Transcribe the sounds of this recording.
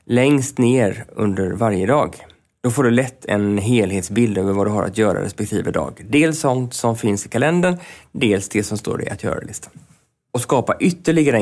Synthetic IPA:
lɛŋst̪neːɾɵ̰nd̪əɾvaɾjəd̪ɑːɡ | d̪̥ɔfoːɖɵlɛt̪ʰːɛ̰nɦeːlɦeːt̪sbɪld̪øːvəɾvad̪ɵɦaɾa̰t̪jœːɾa̰ɾɛ̰spɛk̚t̪ʰiːvəd̪ɑ̰ːɡd̪eːlsɔnt̪sɔmfɪnsɪkʰalɛnd̪əɳd̪eːlsd̪ɛsɔmst̪o̰ːɖɛ̰ʔat̪jœ̰ːɾa̰lɪst̪ʰa | ɔskɑːpaʔʏt̪ːəɭɪɡaɾə

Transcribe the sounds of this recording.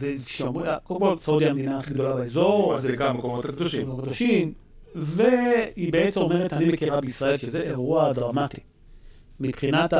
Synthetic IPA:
zeʃmakolkolsaud̪iamed̪inaːχiɡd̪o̞lalaezoʁazeɡamːekomot̪akd̪oʃimkd̪oʃim | ve̞hibeett͡semome̞ʁet̪animekiʁabeisʁae̞lʃezeʔeʁuad̪ʁamat̪i̥ | mipχinat̪

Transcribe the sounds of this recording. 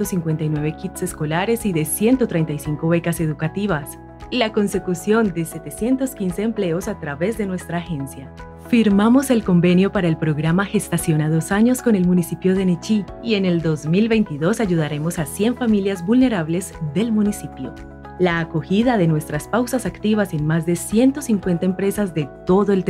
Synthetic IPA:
osiŋkwe̞nt̪ajnwe̞βe̞kit̪se̞sko̞laɾe̞siðe̞sje̞nt̪o̞t̪ɾe̞jnt̪ajsiŋko̞βe̞kase̞ðukat̪iβ̞as | lako̞nse̞kusjo̞nd̪e̞se̞t̪e̞sje̞nt̪o̞skinse̞ːmple̞o̞sat̪ɾaβe̞zd̪e̞nwe̞st̪ɾaːxe̞nsja | fiɾmamo̞se̞lko̞mbe̞njo̞paɾaelpɾo̞ɣɾamaxe̞st̪asjo̞naðo̞saɲo̞sko̞ne̞lmunisipjo̞ðe̞net͡ʃi | ie̞ne̞ld̪o̞zmilβe̞jnt̪iðo̞saʝuð̞aɾe̞mo̞sasje̞ɱfamiljazbulne̞ɾaβle̞zðe̞lmunisipjo̞̰ | laːko̞xiðaðe̞nwe̞st̪ɾaspawsasakt̪iβ̞ase̞nmazd̪e̞sje̞nt̪o̞siŋkwe̞nt̪aempɾe̞sazd̪e̞t̪o̞ðoelt̪

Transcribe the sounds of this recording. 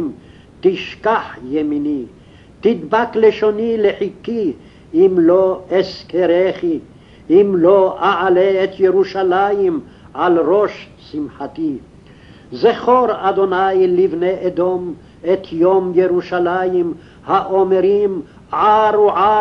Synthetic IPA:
m | t̪iʃkaħjemini | t̪id̪bakleʃonileħikːi | ʔimloeskeɾeχi | ʔimloʔaʕaleːt̪jeɾuʃalajim | ʕalɾoʃ | simħat̪i | zeχoɾad̪onajlivneʔed̪om | et̪ʰjomjeɾuʃalajim | haʔomeɾim | ʕaɾuʕa

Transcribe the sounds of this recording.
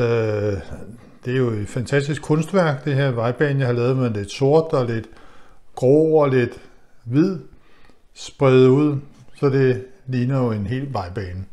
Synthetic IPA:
ø | d̥e̝æɐjo̝e̝d̥fænt͡sʰæsd̥isɡ̥kʰɔ̽nsd̥ʋæɐ̰ɡ̥d̥e̝ɦe̝ɐ̰ʋɑ̈ɪb̥ɛːnjɑhɑlɛːð̩ˠmeðle̝d̥so̝ɐ̰d̥ɒ̽le̝d̥ɡ̥ʁɔ̰ːɒ̽le̝d̥ | ʋið̰ˠ | sb̥ʁɛð̩ˠuð̞̰ˠsɒ̽d̥e̝liːnɐjo̝e̝nɦe̝̰ːlʋɑ̈ɪb̥ɛːnə

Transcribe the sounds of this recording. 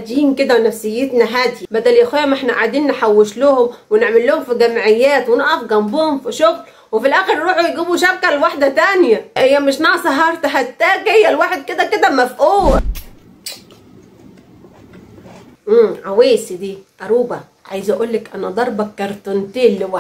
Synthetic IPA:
æd̪jiːnked̪æwnæfsɪjːet̪næɦæːd̪jibæd̪æljæxæːjæmʔeħnæʔaʕd̪iːnːeħawːeʃlʊhomweneʕmelːohomfiɡæmʕejːæːt̪wenɑʔæfɡɑmbuːhomfiʃoɣl | wefilʔæːxeɾɾuːħujɡiːbuʃæbkælwaħd̪æt̪ænjæʔejːæmɪʃ̬nɑʕɑsˤɑɦɑɾˤt̪ɑħat̪ːæːɡhejːælwaːħed̪̚ked̪æked̪æmæfʔuːwæ | ʔmʕaweːsid̪iːʔæɾˤuːbæ | ʕa̰jzʔæʔuːlːekʔænæd̪ˤɑɾˤbɑkːɑɾˤt̪ont̪eːlːewa

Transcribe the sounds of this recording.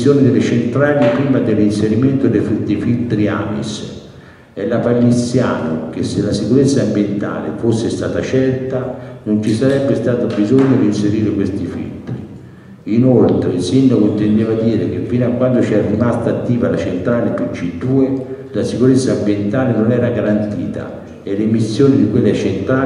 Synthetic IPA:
joːnɪd̪ɪlːɪt͡ʃent̪ɾaːlipɾiːmad̪elːinseɾiment̪ʊd̪efid̪efilt̪ɾia̰mḭs | ɛlːapalːit̪sːja̰ːnʊk̟esːelːasikuɾet̪sːaːmbjent̪a̰ːlḛfosːɪst̪aːt̪at͡ʃɛrt̪anʊnt͡ʃisaɾɛbːɪst̪aːt̪ʊbizoɲːʊɾinseɾiːɾɪkwest̪ifḭlt̪ɾiː | inolt̪ɾeilsind̪akoint̪end̪eːvad̪iːɾek̟efːiːnoakːwand̪ʊt͡ʃiɛɾrːimast̪aːt̪ːiːvalat͡ʃent̪ɾaːlɪput͡ʃːid̪uːe | lasikuɾet̪sːambjent̪aːlɪnʊnɛːɾaɡaɾant̪iːt̪a̰ | ɛlemisːjoːnid̪ikwelːeat͡ʃent̪ɾaː

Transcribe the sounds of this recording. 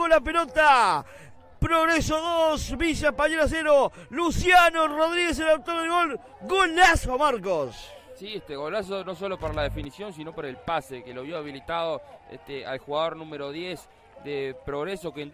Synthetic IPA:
olap̬elot̪a | pɾoɣɾesoðosβisapaɲeɾas̬eɾolusjanoroðɾiɣes̬elawt̪oɾðeɣo̞l | ɣolasomaɾkossieht̪eɣolasono̞so̞lopaɾalaðefinisjo̞nsinopaɾelpasekeloβjoaβ̞ilit̪aðoḛht̪ea̰lxuɣaðo̞ɾnũmeɾoðjes | d̪epɾoɣɾesoken

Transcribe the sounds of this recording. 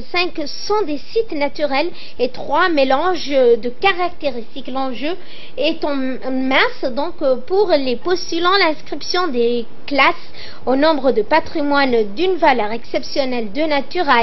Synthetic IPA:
sɛ̃k | sɔ̃d̪esit̪nat̪yʁɛl | et̪χwamelɑ̃ʒd̪əkaʁak̚t̪eʁist̪iklɑ̃ʒø | ɛt̪ɑ̃ | mɛ̃sd̪ɔ̃kpuʁlepɔst̪ylɑ̃lɛ̃skχipsjɔ̃d̪e | klas | onɔ̃bʁəd̪əpat̪χimwand̪ynvalœʁɛksɛpsjɔnɛld̪ənat̪yʁɛl

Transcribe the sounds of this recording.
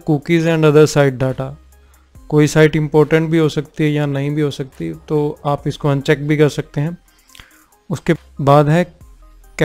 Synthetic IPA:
kuːkizɛ̃ːɳɖɐd̪əɾsaːɪʈ̚ɖaːʈa | koːisaːɪʈɪ̃mpoːɾʈə̃ɳʈ̚bʱiɦosɐk̚t̪iɦɛjanɐɦĩbʱiɦoːsɐk̚t̪it̪oːaːpɪskoɐ̃nt͡ʃɛk̚bʱikɐɾsɐk̚t̪eɦɛ̃ː | ʊske | baːd̪ɦɛ̃ | k

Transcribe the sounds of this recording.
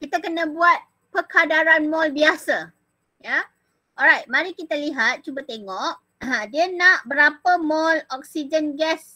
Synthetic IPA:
kit̪akənãbuat̪̚ | pəkʰadaɾanmɔlbiasa | ja | ʔɔlɾajt̪̚mãɾikit̪aliɦat̪̚t͡ʃubət̪eŋɔʔ̚ | ãdiənãʔbəɾapəmɔlɔk̚sid͡ʒənɡɛs

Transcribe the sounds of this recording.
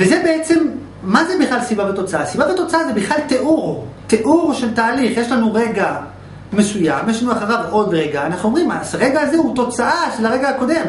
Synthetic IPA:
vezebe̞et͡se̞mː | azebiχlalsibavet̪o̞t͡saasibave̞t̪o̞t͡saazebiχlalt̪eʔuʁt̪e̞ʔuʁʃe̞ltaːliχje̞ʃlanuʁe̞ɡa | me̞sujamjeʃlanuaχaʁavʔo̞dʁe̞ɡaːnaχnuomʁima̰sʁe̞ɡaːzeut̪o̞t͡saʔaʃelaʁe̞ɡaako̞de̞m

